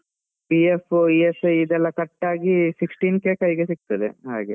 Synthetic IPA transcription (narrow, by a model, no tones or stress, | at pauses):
piefiesɐid̪ɛlːɐkɐʈːaːɡisiksʈiːnkeːkɐjɡesik̚t̪ɐd̪ḛɦa̰ːɡe